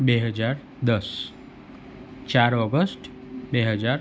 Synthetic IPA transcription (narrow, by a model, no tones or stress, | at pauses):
beɦəd͡ʒaɾ | d̪əs | t͡ʃaɾɔɡəsʈ | beɦəd͡ʒaɾ